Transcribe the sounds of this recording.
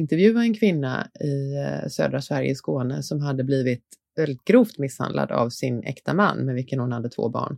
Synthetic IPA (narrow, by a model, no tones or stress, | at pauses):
ɪnt̪ɛɾvjʉ̟ːaɛnkʰvɪnːa̰ɪsø̰ːd̪ɾasvæɾjə̰skoːnəsɔmɦad̪ːəbliːvɪt̪ | vɛlːɪt̪̚ɡ̥ɾuːft̪mɪsha̰nd̪lʔa̰d̪a̰vsɪnɛ̰kt̪ʰamanːmɛnvɪlkənhʊnhad̪ːət̪ʰvo̰ːbɑ̰ːɳ